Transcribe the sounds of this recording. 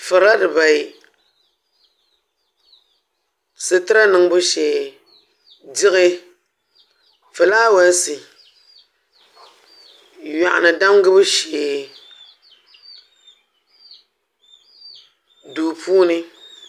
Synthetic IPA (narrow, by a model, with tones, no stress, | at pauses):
fɨ˨ɾa˦dɨ˨ba˨i˨ | sɨ˨tɨ˦ɾa˦nɨ˨ŋbɨ˦ʃe˨ | d͡ʒi˦ɣe˦ | fɨ˨la˦wa˦n˦si˨ | ja˨ʔnɨ˨da˦mɡɨ˦bɨ˦ʃe˨ | du˨puː˦ni˦